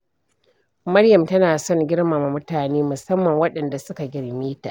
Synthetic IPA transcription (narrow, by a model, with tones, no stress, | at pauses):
mɐ˦ɽjɐ˨mtɐ˦naː˨sɔ˦˨ŋɡʲɪ˦ɽma˨ma˨mʊ˦taː˨neː˦mʊ˨sɐ˦mːɐ˨ŋwɐ˦ɗɐ˨nda˨sʊ˦ka˨ɡʲɪ˨ɽmiː˦ta˨ʔ